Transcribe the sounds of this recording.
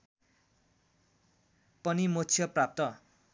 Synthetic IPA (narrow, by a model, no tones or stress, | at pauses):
pʌnimott͡sʰjʌprap̚t̪ʌ